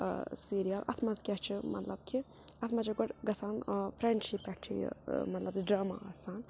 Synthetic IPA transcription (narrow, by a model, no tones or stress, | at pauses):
siːɾijɐlʔɐ̰t̪ʰmɐzkʲɐt͡ʃʰimɐ̰t̪lɐb̚kʰi | ɐt̪ʰmɐt͡ʃʰiɡɔʈɡɐsaːnfʰɾeɳʃipːɛkʈʰḭmɐt̪lɐbɖɾaːma̰ɐsaːn